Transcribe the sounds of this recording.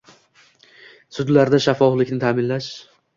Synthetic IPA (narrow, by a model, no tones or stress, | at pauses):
sʊd̪laɾd̪aʃafɒflɪkʲnɪt̪ʰaːmɪnlaʃ